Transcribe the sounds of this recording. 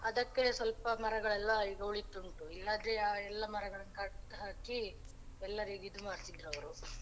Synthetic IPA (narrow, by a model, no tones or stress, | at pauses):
ɐd̪ɐkːe̞sʋɐlpɐmɐɾɐɡɐɭɛlːɐiːɡɐuɭit̪ːuɳʈuilːaːd̪ɾeaːɛlːɐmɐɾɐɡɐɭɐnːkaʈt̪ɦaːki | ɛlːɐɾiːɡid̪umaːɾt̪id̪ɾɐʋɐɾu